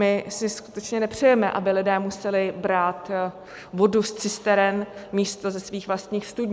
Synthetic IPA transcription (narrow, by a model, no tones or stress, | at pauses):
ɪsɪsku̥t̪ɛt͡ʃɲɛnɛpr̝̥ɛjɛmɛʔa̰bɪlɪdɛːmusɛlɪbɾaːt̪ | vo̞dust͡sɪst̪ɛɾɛnmiːst̪o̞zɛsviːxvlast̪ɲiːxst̪udɲ